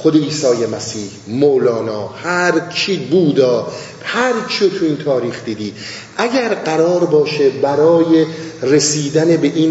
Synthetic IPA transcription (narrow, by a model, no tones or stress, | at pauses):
xod̪e̞iːsɒːjemæsiːhmoːlɒːnɒːhæɾt͡ʃʰiːbuːd̪ɒː | hæɾt͡ʃʰiot̪ʰuiːnt̪ʰɒːɾiːxd̪iːd̪iː | ʔæɟæɾɢæɾɒːɾbɒːʃebæɾɒːjeresiːd̪ænebe̞ʔiːn